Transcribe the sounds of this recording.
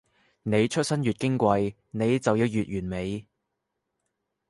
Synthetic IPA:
ne˨˧jt͡ʃʰɵ˥t̚sɐ˥njyː˨t̚kɪ˥ŋkʷɐ˧j | ne˨˧jt͡sɐ˨wji˨˧wjyː˨t̚jyː˨˩nme˨˧j

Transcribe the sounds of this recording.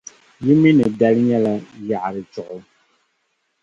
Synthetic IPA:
ji˦mi˦nɛ˨da˦lɲɛ˦la˨ja˨ʔɾi˨t͡ʃɔ˨ʔʊ˨

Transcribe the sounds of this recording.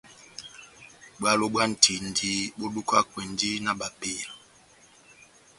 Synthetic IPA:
bwa˦lo˦ɓa˦n̩˨tʰi˨ndi˦bo˦du˦ka˦kwe˨ndi˦na˦ɓa˨pi˦˨l

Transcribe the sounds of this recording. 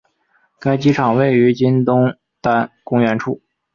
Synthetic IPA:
ka˥ɪt͡ɕi˥ʈ͡ʂʰɑ˨˩ŋwe˥˩ɪy˧˥t͡ɕi˥nt̪ʊ˥ŋ | t̪a˥˩nkʊ˥ŋɥɛ˧˥nʈ͡ʂʰu˥˩

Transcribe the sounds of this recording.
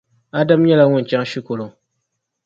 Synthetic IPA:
a˦da˦m˦ɲɛ˦la˦ŋʊ˦n̩˨t͡ʃa˦ŋ˦ʃi˦ko˨lo˨ŋ

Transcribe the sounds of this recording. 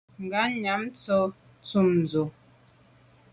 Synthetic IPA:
ŋ˨ɡa˨˦ɲa˨˦m˦t͡sɔ˦ | t͡su˦˨mn˨d͡zo˨

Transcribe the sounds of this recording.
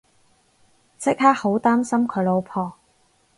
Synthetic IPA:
t͡sʰɪ˥k̚haː˥ho˨˥wt̪aː˥msɐ˥mkʰɵ˨˧ɥlo˨˧wpʰɔː˨˩

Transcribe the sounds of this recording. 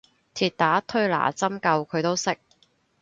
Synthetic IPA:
t̪ʰiː˨˧t̚t̪aː˨˥t̪ʰɵ˥ɥla̰ː˨˩t͡sɐ˥mkɐ˧wkʰɵ˨˧ɥt̪o˥wsɪ˥k̚

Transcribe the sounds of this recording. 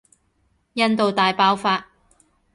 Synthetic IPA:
jɐ˥nt̪o˨wt̪aː˨jpaː˥wfaː˧t̚

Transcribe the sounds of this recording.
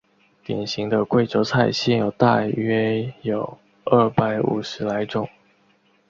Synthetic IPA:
t̪jɛ̰˨˩nɕi˧˥ŋd̪ə˧kwe˥˧ɪʈ͡ʂo˧˥ʊt͡sʰa˥˩ɪɕjɛ˥˩njo˨˩ʊt̪a˥˧ɥɛ˥jo˨˩˦ʊ | ə˥˩pa˧˥ɪṵ˨˩ʂɻ̩˧˥la˧˥ɪʈ͡ʂʊ˥˩ŋ

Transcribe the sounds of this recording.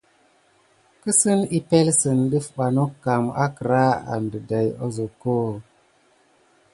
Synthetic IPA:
kə˦sɨ˦ni˦pe˦lsə˨nɗi˦fɓa˨no˦kːa˨ma̰˦kə˨ɾa˦a̰˨ndə˨da˨jo˦zo˨ko˦

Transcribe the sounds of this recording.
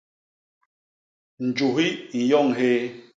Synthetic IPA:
n̩˨d͡ʒu˨ɦi˦i˨jɔ˦˨ŋɦe˦

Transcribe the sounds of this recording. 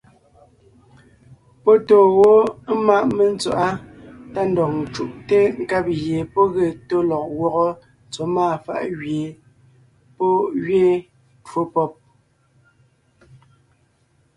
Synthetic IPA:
pɔ˦to˨ɣo˦ma˦˨ʔme˨n˦t͡sa˨ʔa˦ta˦n̩dɔ˨k̚n˨t͡ʃu˦˨ʔte˦ŋ̩˦ka˦p̚ɣje˨pɔ˦ɣe˨to˦lɔ˨k̚wɔ˦˨ɣɔ˦˨ | t͡so˨˦maː˦˨fa̰˦˨ʔɣɥje˨ | pɔ˦ɣɥe˦˨ | two˦pɔ˦p̚

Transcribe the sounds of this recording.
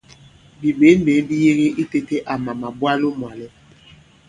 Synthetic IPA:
bi˨be˨˦m˦be˨˦bi˦je˦ɣe˦i˦te˦te˦ʔa˨ma˨ma˨bwa˦lo˦mwa˨lɛ˦

